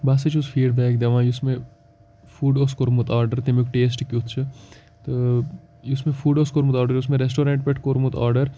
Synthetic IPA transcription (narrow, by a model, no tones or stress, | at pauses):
baːsɐt͡ʃʰusfʰiːɖbɛːk̚d̪ɐʋãːjʊsmẽ | fuːɖoːskoɾmut̪aːɾɖəɾt̪emikʈeːs̬ʈkjut̪ʰt͡ʃʰɨ | t̪o | jʊsmẽfuːɖoːskoɾmut̪aːɾɖəɾʊs̬mẽɾes̬ʈoːɾẽːɳʈ̚peʈʰkoɾmut̪a̰ːɾɖəɾ